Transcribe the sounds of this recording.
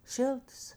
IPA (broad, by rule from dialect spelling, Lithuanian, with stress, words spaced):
ˈʃʲɪlˠtɐs